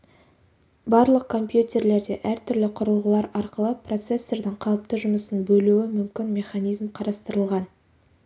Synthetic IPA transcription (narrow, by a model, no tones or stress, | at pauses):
bɑɾlˠəq̚kʰo̞mpjut̪ʲe̞ɾle̞ɾd̪e̞ʔæɾt̪ʰʏɾlɪqʰʊɾəlˠʁəlˠɑɾɑɾqəlˠəpro̞t̪se̞sːe̞ɾd̪ɪɴqʰɑlˠəp̚t̪əʒʊməsənbɵluɪmʏmkʲɪnmʲe̞χɑnijzmqʰɑɾɑst̪əɾəlˠʁɑn